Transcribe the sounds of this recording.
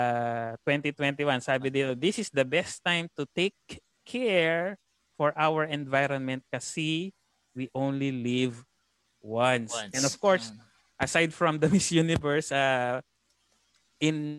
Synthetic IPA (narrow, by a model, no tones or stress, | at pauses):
t̪wɛ̃nt̪it̪wɛ̃nt̪iwãnsabɪd̪eod̪ɪsɪsd̪ɐbɛst̪ːãjmt̪ʊt̪ejkʰː | ɛɹ | fɔɹʔawəɹɛ̃nvajɾɔnmɛ̃nt̪̚kɐsi | wiʔõwnliliv | wãnsɛ̃nɔv̥koɹs | ʔɐsajd̪fɹɔ̃md̪ɐmɪsjunɪvɛɹsa | ʔɪ̃n